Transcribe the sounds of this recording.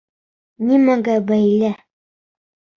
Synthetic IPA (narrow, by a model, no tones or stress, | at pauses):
nʲimæɡæbæjlæ